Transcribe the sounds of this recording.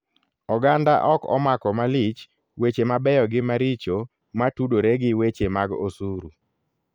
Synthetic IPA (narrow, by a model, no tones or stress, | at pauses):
ɔɡandaʔɔkɔ̰makɔmalɪt͡ʃ | wet͡ʃemabɛjɔɡɪmaɾit͡ʃo | matudoɾeɡɪwet͡ʃemaɡo̰suɾu